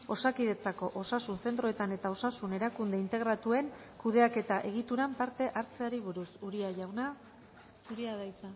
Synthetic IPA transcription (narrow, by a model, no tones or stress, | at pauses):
o̞sakiðe̞t͡sako̞ʔo̞sasunse̞nt̪ɾo̞e̞t̪ane̞t̪ao̞sasune̞ɾakund̪e̞int̪e̞ɣɾat̪ue̞ŋkuðe̞ake̞t̪aʔe̞ɣ̞it̪uɾampaɾt̪e̞ʔaɾt͡se̞aɾiβ̞uɾusuɾiaʝawna | suɾiaðajt͡sa